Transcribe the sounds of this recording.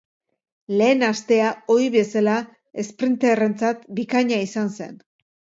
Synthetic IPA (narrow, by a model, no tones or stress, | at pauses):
le̞ːnast̪e̞ao̞iβe̞sala | e̞spɾint̪ere̞nt͡sat̪bikaɲaisanse̞̰n